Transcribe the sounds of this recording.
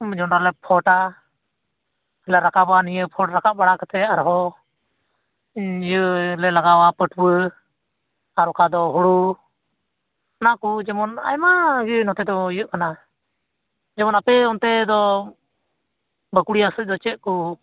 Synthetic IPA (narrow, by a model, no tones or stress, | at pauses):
d͡ʒɔnaɾlɛpʰɔʈa | ɛlaɾakabanijəpʰɔʈɾakaʔbaɽakat̪ɛaɾɦɔ | jəlɛlaɡawapəʈbə | aɾɔkad̪ɔɦuɽu | nakud͡ʒɛmɔna̰jmaɡinɔt̪ɛd̪ɔijəʔkana | d͡ʒɛmɔnapɛɔnt̪ɛd̪ɔ | bəkuɽijasəc̚ˀd̪ɔt͡ʃɛʔ̪̚ku